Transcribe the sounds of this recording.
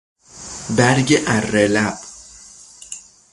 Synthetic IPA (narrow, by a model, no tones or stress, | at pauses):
bæɾɟeʔærelæb̥